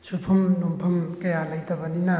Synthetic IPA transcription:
supʰɐmnumpʰɐmkɐjalɐjtɐbɐnina

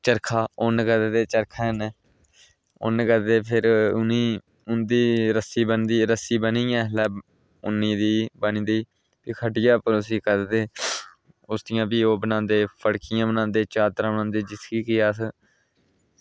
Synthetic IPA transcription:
t͡ʃəɾkʰaːonkəɾd̪t̪eːt͡ʃəɾkʰaːnɛː | o̰nkəɾd̪eːpʰɪɾʊniː | ʊnd̪iːɾəsiːbənd̪iːɾəsiːbəniːjãːlɛː | ʊnːĩːd̪iːbənĩːd̪iː | piːkʰəɖɪjaːpəɾʊsiːkəɾd̪d̪eː | ʊsd̪ɪjãːbiːoːbənãːnd̪eːpəɽkɪjãːbənãːnd̪eːt͡ʃaːt̪ɾãːbənãːnd̪eːd͡ʒɪskiːkɪjaːs

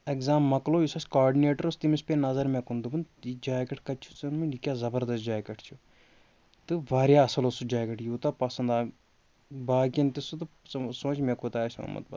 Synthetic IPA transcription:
ekzaːmːɐkloːjisɐsʲkaːɖineːʈɐɾɐst̪imispeːnɐzɐɾmẽkund̪ubɨnid͡ʒaːkʲɐʈʰkɐt͡ʃʰu̥t͡sɐnmilikʲjaːzɐbɐɾd̪ɐsd͡ʒaːkʲɐʈʰt͡ʃʰu | t̪ɨʋaːɾjaɐsɐlosud͡ʒaːkʲɐʈjuːt̪apɐsɐnd̪aː | baːkʲɐnt̪isut̪ɨ | sõːt͡ʃʰmekut̪aːsʲɐ̰mɐ̰t̪̚bɐ̰t̪

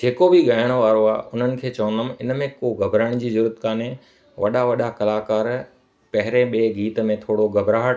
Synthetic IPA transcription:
d͡ʑeːkobɪɠaːjəɽ̃ʋaːɾoaːʊn̤ənɪ̆kʰeːt͡ɕɐʋənəmɪnmẽkoɡɐbʱɾəɽ̃d͡ʑiːzʊɾət̪kaːne | ʋɐɗaʋɐɗakɐlaːkaːɾ | pɐɦɪɾeɓeːɡiːt̪mẽt̪ʰoːɽoɡɐbʱɾaː

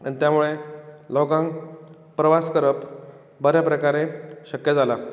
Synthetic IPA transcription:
ənit̪jamuɭelɔɡãŋɡ | pɾəʋaskəɾəp | bəɾjapɾəkaɾeɕəkjəd͡zala

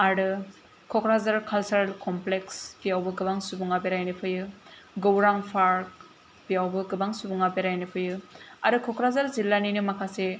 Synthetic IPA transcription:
aɾɯ | kʰɔkʰɾazaɾkʰalsaɾlkɔmplekspijawbɯɡɯbaŋsubuŋabeɾajnɯpʰɯjɯ | ɡowɾaŋpʰaɾk̚ | biawbɯɡɯbaŋsubuŋabeɾajnɯpʰɯjɯaɾɯkʰɔkɾazaɾzilːaninɯmakʰase

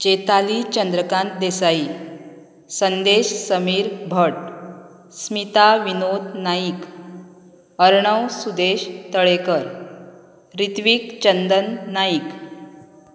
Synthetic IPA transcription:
t͡ɕet̪alit͡ɕənd̪ɾəkãnt̪d̪esai | sənd̪eɕsəmiːɾbʱəʈ̚ | smit̪aʋinod̪naik | əɾɳəwsud̪eɕt̪əɭekəɾ | ɾit̪ʋiːkt͡ɕənd̪ənːaik

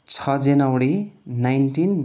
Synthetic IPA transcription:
t͡sʰʌd͡zenawɽinajnʈin

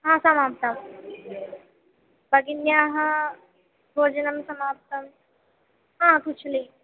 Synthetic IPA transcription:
ɦãːsɐmaːp̚t̪ɐm | bɐɡinjaːɦɐ | bʱoːd͡ʒɐnɐmsɐmaːp̚t̪ɐm | ɦãːkut͡ʃʰli

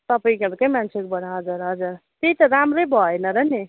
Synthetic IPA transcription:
t̪ʌpʌjĩɡʌɾkʌjmant͡sʰekobʱʌɽaɦʌd͡zuɾɦʌd͡zuɾt̪eit̪ʌɾamɾejbʱʌenʌɾʌni

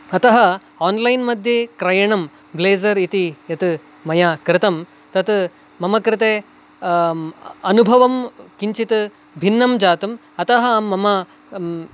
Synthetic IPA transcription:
ɐt̪ɐɦɐ | aːnlɐjnmɐd̪ʱjekɾɐjɐɳɐm | bleːzɐɾit̪ijɐt̪ | mɐjaːkɾɪt̪ɐm | t̪ɐt̪ | mɐmɐkɾɪt̪eː | ɐnubʱɐʋɐmkiɲt͡ʃit̪ | bʱinːɐmd͡ʒaːt̪um | ɐt̪ɐɦɐːɐmɐ

